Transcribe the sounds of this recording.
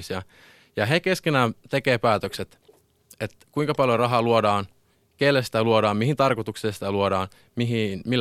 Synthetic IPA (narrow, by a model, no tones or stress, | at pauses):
siɑ | jɑɦekeskenæːt̪ekeːpæːt̪økset̪ | et̪kuiŋkɑpɑljorɑɦɑːluodɑːn | kelːæsi̥t̪æluoɾɑːmmiɦint̪ɑrkot̪ukseːsi̥t̪æluodɑːn | miɦinmilː